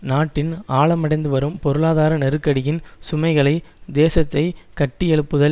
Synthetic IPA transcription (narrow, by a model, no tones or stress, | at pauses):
naːʈːɪnaːɭɐmɐɽɐɪnd̪ɯʋɐɾɯmpɔɾɯɭaːðaːɾɐnɛɾɯkːɐɽɪjɪnsʊmɐɪɣɐɭɐɪd̪eːsɐt̪ːɐɪkɐʈːɪjɛɭɯpːɯðɐ